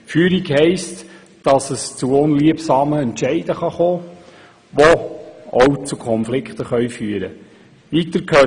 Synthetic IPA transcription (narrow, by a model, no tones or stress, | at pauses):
fyːɾiɡhɛɪst | d̥ɑsəst͡suʊnliəpsɑːməɛntʃɛɪd̥əχɑχoː | ʋɔɔwt͡sukʰɔnflɪkχt̪əχœʏfyːəɾə | ʋiːtəɾkʰøː